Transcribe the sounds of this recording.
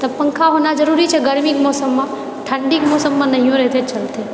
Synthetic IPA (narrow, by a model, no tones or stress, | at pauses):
t̪əpːəŋkʰaɦonad͡ʒəɾuɾit͡ʃʰeɡəɾmikmɔsəmːã | ʈ̪ʰəɳɖikmɔsəmːãnəɦijõɾɛɦt̪ʰet͡ʃəlt̪e